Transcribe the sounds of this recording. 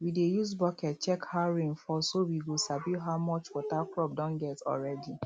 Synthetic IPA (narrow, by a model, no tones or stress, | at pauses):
widejusbɔkɛt̚t͡ʃɛkhaʊɹĩŋfɔsowiɡosabuɦaʊmɔt͡ʃwɔtaklɔp̚dɔ̃nɡɛtɔ̰lɹɛdi